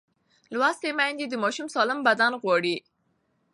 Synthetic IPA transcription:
lwɑst̪emajnd̪ed̪əmɑʃumsɑlambad̪ɑnɣwɑɽi

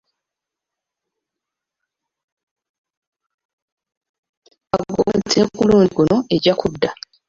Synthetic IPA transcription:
aɡo̰ːmtʰeːkuluːndikuno̞e̞ɟakʰudːa

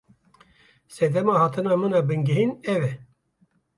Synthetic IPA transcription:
sɛd̪ɛmɑːhɑːt̪ʰɨnɑːmɨnɑːbɨŋɡɨɦinɛvɛ

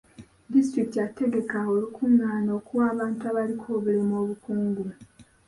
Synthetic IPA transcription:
distɾiktiate̞ɡe̞kaolukʰunːaːno̞ːkuwaːβaːntuaβalikʰoːβule̞mo̞ːβukuːŋɡu

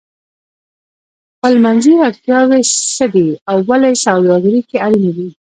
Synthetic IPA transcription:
xpəlmanziaɾt̪jɑwesəd̪iawːalajsawd̪ɑɡəɾikealind̪i

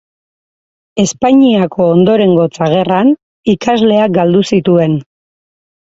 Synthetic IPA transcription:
e̞spaɲiakʰo̞ːnd̪o̞ɾe̞ŋɡo̞t͡saɣ̞e̞ran | ikazle̞akɡald̪usit̪ue̞n

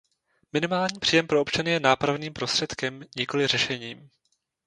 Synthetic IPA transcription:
mɪnɪmaːlɲiːpr̥iːjɛmpɾoopt͡ʃanɪjɛnaːpɾavniːmpɾo̞st̪r̥ɛt̪kɛmɲɪko̞lɪr̝ɛʃɛɲiːm

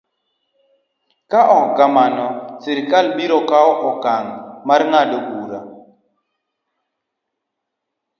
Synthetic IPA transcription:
kaʔɔɡamanɔsiɾkalbiɾɔkaɔʔɔkaŋmarŋadɔbuɾa̰

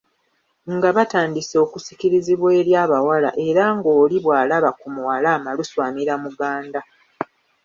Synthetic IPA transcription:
ŋɡaβataːndiso̞kusi̥kiɾiziβweːljaːβawala̰ʔe̞ɾaŋɡo̞ːliβwaːlaβakumuwalaːmaluswaːmiɾamuɡaːnda

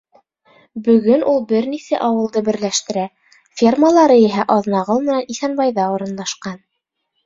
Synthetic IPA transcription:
bɵ̆ɡɵnʔulˠbɘɾnisæʔɑwɤ̆lˠd̪ɤbɘ̆ɾlæʃt̪ɘ̆ɾæ | fʲirməlˠɑɾɤiɦæʔɑðnɑʁɤlˠmɘ̆næniθænbɑjðɑŏɾɤ̆nlˠɑʃqɑn

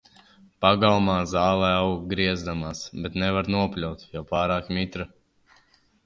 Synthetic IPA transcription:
paɡalˠmaːzaːlˠɛawɡɾiɛzd̪amaːsbɛt̪nɛvaɾnuɔpʲlʲawt̪jawpaːɾaːkmʲit̪ɾa

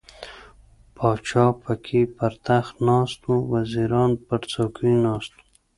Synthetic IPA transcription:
pʰɑːt͡ʃɑpakʰipaɾt̪axnɑst̪ũwaziɾɑnpaɾt͡sakinɑːst̪u̥

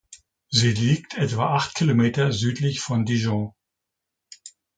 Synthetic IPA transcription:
ziːliːktʰʔɛtv̥aːʔaχtkʰilomeːtɐzyːtlɪçfɔndiʒɔ̃

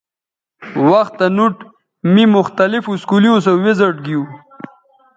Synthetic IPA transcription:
waxt̪ːanuʈ | mimʊxt̪alɪfuskuliusowezəʈɡiu

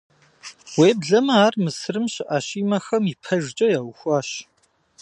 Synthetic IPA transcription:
weːbɮɐmɐaːrmɨsɨrɨmɕɪʔaɕiːmɐxɐmipʰɐʒd͡ʒʼɐjaːwʊxʷɑːɕ

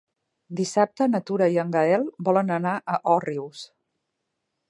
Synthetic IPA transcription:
d̪isap̚t̪ənət̪uɾəiəŋɡəɛlˠbɔlənənaʔəʔɔriws

